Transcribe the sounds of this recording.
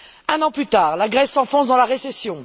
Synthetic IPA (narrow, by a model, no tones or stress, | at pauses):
ɛ̃nɑ̃plyt̪aːʁlaɡʁɛsːɑ̃fɔ̃sd̪ɑ̃laʁesesjɔ̃